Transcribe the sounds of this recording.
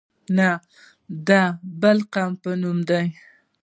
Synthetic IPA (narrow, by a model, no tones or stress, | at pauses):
na | d̪ɑbəlqɑmpənumd̪aj